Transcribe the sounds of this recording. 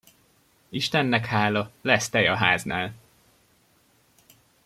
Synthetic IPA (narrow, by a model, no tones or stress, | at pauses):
iʃt̪ɛnːɛkhaːlɒlɛst̪ɛjɒɦaːznaːl